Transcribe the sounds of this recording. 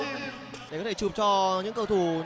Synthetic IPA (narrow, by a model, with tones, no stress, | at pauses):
ɗe˨˩kɔ˨˦t̪e˧˩t͡ɕɨ˨˩p̚t͡ɕɔ˧ɲɨ̰˧˥ŋkə˧wt̪ʰu˨˩